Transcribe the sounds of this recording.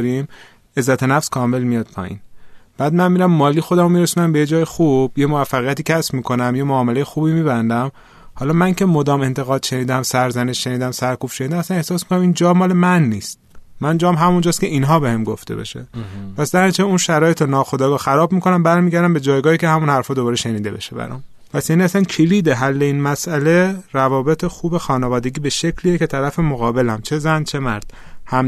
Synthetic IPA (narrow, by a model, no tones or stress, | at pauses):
ɾim | e̞zːæt̪ʰe̞næfskʰɒːme̞lmijɒd̪̥̚pʰɒ̰ːjḭːnb̥æːd̪̚mænmiːɾæmːɒːliːxo̞d̪æmomiɾesuːnæmbejed͡ʒɒːjexub̥jemoæfːæɣijæt̪iːcʰæsbmiːkʰo̞næmjemoɒːme̞lejexuːbiːmiːbænd̪æm | hɒːlɒːmæŋcʰe̞mo̞d̪ɒːme̞nt̪ʰe̞ɣɒːd̪̥ʃe̞niːd̪æmsæɾzæneʃʃe̞niːd̪æmsæɾkuːb̥ʃe̞nid̪æmæsæne̞hsɒːsmikonæmind͡ʒɒːmɒːle̞mænːiːst̪̚mænd͡ʒɒːmɦæmund͡ʒɒːst̪cʰʲe̞ʔiːnɦɒːbehemɡoft̪ʰebḛʃḛpʰæsd̪æɾit͡ʃʰeunʃæɾɒːjet̪onɒːxod̪ɒːɡɒːxæɾɒːbmiːkʰo̞næmbæɾmiːɟæɾd̪æmbe̞d͡ʒɒːjɡɒːhiːcʰe̞hæmunhæɾfɒːd̪o̞bɒːɾeʃe̞niːd̪e̞be̞̰ʃebæ̰ɾɒ̰m | pʰæsjæniːæsæncʰeliːd̪eɦælːe̞iːnmæsʔæle̞ɾævɒːbe̞t̪ʰexuːbe̞xɒːnevɒːd̪e̞ɡiːbe̞ʃe̞cʰliːjece̞t̪ʰæɾæfemoɣɒːbe̞læmt͡ʃʰe̞zænt͡ʃʰe̞mæɾd̪̥̚ | hæm